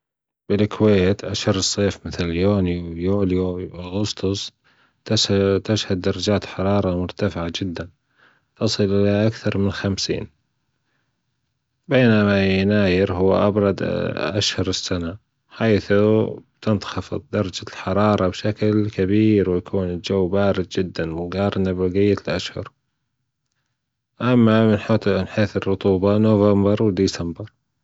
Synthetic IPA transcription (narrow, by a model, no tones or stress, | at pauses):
b̥ɪlɪkʰweːt̪ʔaʃhʊɾˤɨsˤːeːfmɪθljoːniwjoːljoʔaɣʊst̪ʊsˤ | t̪t̪ɪʃhad̪̚ːɑɾˤɑd͡ʒaːt̪ħɑɾˤɑːɾˤɑmʊɾt̪afɪʕad͡ʒɪd̪ːan | t̪ɑsˤɨlʔɪlaʔakθɑɾˤmɪnxamsḭːn | beːnamajnaːjɪɾɦʊw̰ːʔabɾˤɑd̪ʔaʃhʊɾɪsːana | ħaːθubt̪ɪnt̪xɑfɨðˤd̪ɑɾˤɑd͡ʒalħɑɾˤɑːɾˤɑbʃaklkabiːɾwɪjakʰuːnɪld͡ʒawːbaːɾɪd̪̚d͡ʒɪd̪ːanwɪɡɑːɾˤnabɪɡɪjːalʔaʃhʊ̰ɾ | ʔamːamɪnħt̪ɪnħeːθɪrːʊt̪ˤuːbɑnovambɑɾˤwɪd̪isambɑɾ